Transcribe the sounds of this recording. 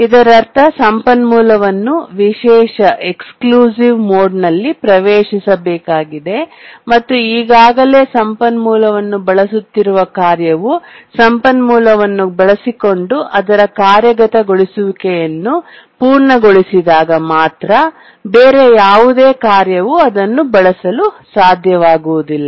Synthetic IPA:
id̪ɐɾɐɾt̪ʰɐsɐmpɐnmuːlɐʋɐnːuʋiʃɛːʂɐʔe̞kskluːsiʋmoːɖnɐlːipɾɐʋeːʂisɐbɛːkaːɡid̪e̞mɐt̪ːuiːɡaːɡɐle̞ːsɐmpɐnmuːlɐʋɐnːubɐɭɐsut̪ːiɾuʋɐkaːɾjɐʋusɐmpɐnmuːlɐʋɐnːubɐɭɐsiko̞ɳɖuʔɐd̪ɐɾɐkaːɾjɐɡɐt̪ɐɡo̞ɭisuʋikɛjɐnːu | puːɾɳɐɡo̞ɭisid̪aːɡɐmaːt̪ɾɐ | beːɾe̞jaːʋud̪eːkaːɾjɐʋuɐd̪ɐnːubɐɭɐsɐlusaːd̪ʱjɐʋaːɡuʋud̪ilːɐ

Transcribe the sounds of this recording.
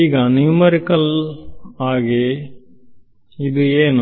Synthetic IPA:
iːɡɐnimɐɾikːɐl | aːɣe | iðueːn

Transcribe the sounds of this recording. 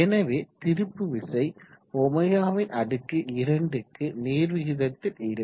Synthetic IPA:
ɛnɐʋeːt̪ɪɾɯpːɯʋɪsɐɪ | ɔmɐjaːʋɪnɐɽɯkːɯʔɪɾɐɳɖɯkːɯneːɾʋɪɣɪðɐt̪ːɪlɪɾɯ

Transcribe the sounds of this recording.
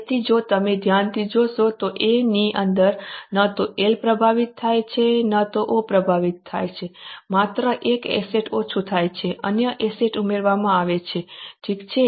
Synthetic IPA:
t̪id͡ʒot̪əmed̪ʱjant̪ʰid͡ʒoʃot̪oʔeniʔənd̪əɾnat̪oʔelpɾəbʱaʋit̪ʰːajt͡ʃʰenat̪oʔopɾəbʱaʋit̪ʰːa̰jt͡ʃʰemat̪ɾəʔekḛseʈot͡ʃʰut̪ʰajt͡ʃʰeʔənjəʔeseʈumeɾʋamãaʋet͡ʃʰeʈʰikt͡ʃʰe

